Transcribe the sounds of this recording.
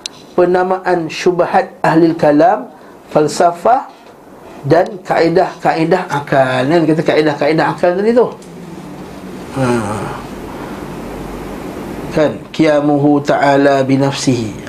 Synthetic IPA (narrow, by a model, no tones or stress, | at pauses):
pənãmãʔanʃubahat̪̚ʔahlalkalam | falsafah | dankaʔidahkaʔidahʔakalkankat̪̬akaʔidahkaʔidaɦakalt̪adit̪uh | ə | kankijamuɦut̪aʔalabinafsiɦi